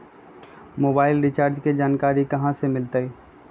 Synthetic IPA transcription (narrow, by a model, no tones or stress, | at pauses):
moːbaːɪlɾɪt͡ʃaːɾd͡ʒked͡ʒaːnkaːɾikɐɦãsemɪlt̪əi